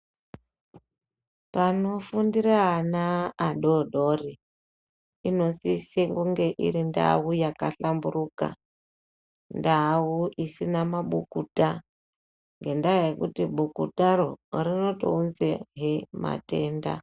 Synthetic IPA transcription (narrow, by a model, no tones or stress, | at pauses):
pano̞fundiɾanaːɗoɗori | ino̞siseŋɡuŋɡe̞ʔḭɾinda̰ujakaɬambuɾuka̰ | ndauʔisinamaɓukuta | ŋɡe̞ndajekutiɓukutarorino̞to̰unzeɦema̰te̞ːnda̰